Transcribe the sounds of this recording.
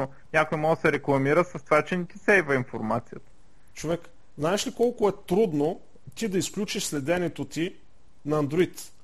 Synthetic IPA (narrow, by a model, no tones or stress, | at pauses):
o | nʲakojimɔɡəsɛɾɛklˠɐmiɾəsɐst̪ovat͡ʃɛnɛt̪isɛjvɐinfoɾmat̪sijət̪ə̥ | t͡ʃovɛk | znaɛʃlikɔlˠkʊɛt̪ɾud̪no | t̪id̪ɐisklʲut͡ʃiʃslɛd̪ɛnʲɛt̪ot̪i | nɐːnd̪ɾoit̪